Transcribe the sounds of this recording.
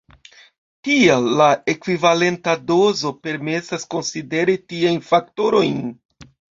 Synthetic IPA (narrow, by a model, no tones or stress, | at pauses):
tialːae̞kvivale̞ntado̞zo̞pe̞ɾme̞sasko̞nside̞ɾitiajnfak̚to̞ɾo̞jn